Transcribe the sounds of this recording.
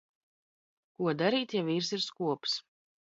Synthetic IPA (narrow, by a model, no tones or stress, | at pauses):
kuɔd̪aɾiːt̪javiːɾsiɾskuɔps